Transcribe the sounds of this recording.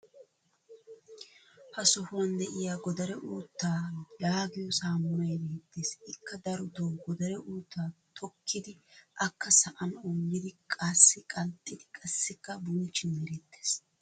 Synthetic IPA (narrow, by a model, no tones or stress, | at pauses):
hɐsɔhʊwɐnd̪ɛʔɪjaːɡɔd̪ɐɾɛʔuːt̪ːaːjaːɡɪjɔsaːmːɐjd̪eːt̪ːeːsɪkʰːɐd̪ɐɾʊd̪oːɡɔd̪ɐɾɛʔuːt̪ːaːt̪ʰɔkʰːɪd̪ɪʔɐkːɐsɐʔɐnɔŋːɪd̪ɪkʼɐsːɪkʼɐlt̪ʼːɪd̪ɪkʼɐsːɪkːɐbʊnt͡ʃːɪmɛɾɛt̪ːeːs